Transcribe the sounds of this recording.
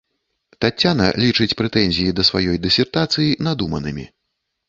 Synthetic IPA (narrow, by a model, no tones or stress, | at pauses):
t̪at͡sʲːanɐ̰lʲit͡ʂɨt͡sʲpɾɛt̪ɛnʲzʲijid̪ɐsvajɔjd̪ɨsʲɛrt̪at̪sɨjinad̪umɐnɨmʲi